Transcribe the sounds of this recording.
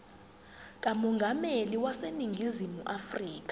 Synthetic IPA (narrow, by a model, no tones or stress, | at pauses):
k̬ʼamɔŋɡʱameliwaseniŋɡʱizimuʔafriːk̬ʼḁ